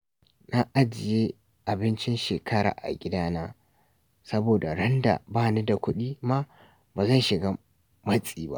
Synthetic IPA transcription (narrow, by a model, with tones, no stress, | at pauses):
na˦ʔa˦d͡ʒɪ˨je˦ | ʔa˨bɪ˦nt͡ʃɪ˦nʃeː˨kʰɐ˦ɾa̰ː˨ʔa̰˨ɡʲɪ˦daː˦naː˦ | sɐ˦boː˨da˨ɽɐ˦nda̰˨baː˦˨ne˦da˨kʷʊ˦ɗiː˦ma˦ | baː˨zɐ˦nʃɪ˨ɡaː˦ | mɐ˦sʼiː˨ba̰˦ʔ